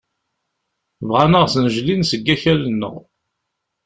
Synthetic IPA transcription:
vʁanəʁsənəʒlinsəɡːæçælənːə̰ʁ

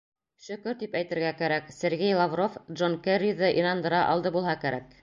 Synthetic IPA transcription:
ʃɵ̆kɵɾt̪ipæjt̪ɘ̆ɾɡækæɾæksĕɾɡejlˠavrofdʒonkerʲiðɤʔinɑnd̪ɤ̆ɾɑʔɑ̰lˠd̪ɤbulˠɦɑkæɾæk̚

